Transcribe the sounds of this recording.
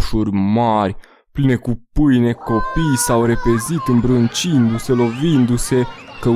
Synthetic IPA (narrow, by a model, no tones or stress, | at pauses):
ʃurʲmarʲ | pline̞kupɨjne̞ko̞pijsawre̞pe̞zit̪ɨmbɾɨnt͡ʃind̪use̞lo̞vind̪use̞kə